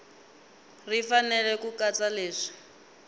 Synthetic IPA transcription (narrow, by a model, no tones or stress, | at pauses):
rifanɛlɛkukat͡saleːʂi̥